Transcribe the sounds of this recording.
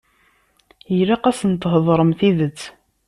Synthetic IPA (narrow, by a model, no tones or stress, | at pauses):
jɾaqæsənt̪ːɦðˤɾˤəmθiðət͡sː